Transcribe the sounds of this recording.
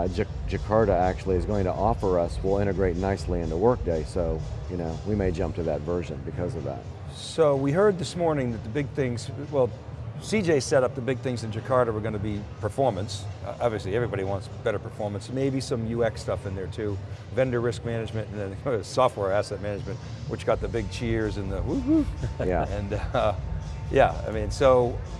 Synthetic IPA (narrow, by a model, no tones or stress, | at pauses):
d͡ʒɨ̥ | d͡ʒɨkʰɑɹɾɨæk̚t͡ʃʉul̩ˠiɨzɡoʊɪ̃ŋtʰə̰ʔɑfə˞ʌswɪlˠɪ̃ɾ̃ɨɡɹeɪtⁿnaɪsliɨ̃ntəwɜ˞k̚d̥eɪsoʊjɨnoʊwimeɪd͡ʒʌ̃mp̚tʰɨðɨ̰tvɜ˞ʒɨ̃nbɨkʰʌzʌvðæ̰t̚ | soʊwiɦɜ˞d̪̚ðɨsmɔɹnɪ̃ŋðɨt̪̚ðəbɪɡ̚θɪ̃ŋz̥wɛlˠsid͡ʒeɪsɛɾʌp̚ðəbɪɡ̚θɪ̃ŋzɨ̃nd͡ʒɨkʰɑɹɾɨwə˞ɡõnɨbipʰə˞fɔɹmə̃nsʔɑbviɨsliɛvɹibɑɾiwɑ̃ntsb̥ɛɾə˞pʰə˞fɔɹmə̃nsmeɪbisʌ̃mjʉɛkstʌfɨ̃nðə˞tʰʉvɛ̃ndə˞ɹɪsk̚mænɨd͡ʒmɨ̃ntɨ̃n̩ɨɨsɔft̚wɛɹæsɛt̚mænɨd͡ʒmɨ̃nʔ | wɨt͡ʃɡ̥ɑt̪̚ðɨbɪɡ̚t͡ʃʰɪɹzɨ̃nðɨwuhujæɨ̃n | jæ̰a̰ɪmĩnsoʊ